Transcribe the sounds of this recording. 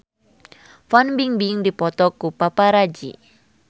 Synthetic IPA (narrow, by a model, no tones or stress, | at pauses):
fanbiŋbiŋdipɔt̪ɔkupapaɾad͡ʒḭ